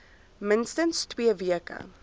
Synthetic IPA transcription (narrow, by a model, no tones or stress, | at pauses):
mɪnstənstwiːviəkə̰